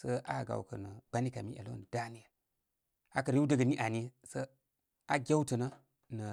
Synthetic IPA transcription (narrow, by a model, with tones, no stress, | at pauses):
sə˦ʔa˦˨ɡa̰˨wkə̰˨nə˨ɡ͡ba˦ni˦ka˨mi˦ʔḛ˨lo˦nə˨da˦ni˦ja˨ | a˨kə˨ɾi˦u˦də˦ɡə˨ni˦ʔa˨ni˦ | sə˦ | a˦ɡʲe˦wtə˨nə˦ | nə˨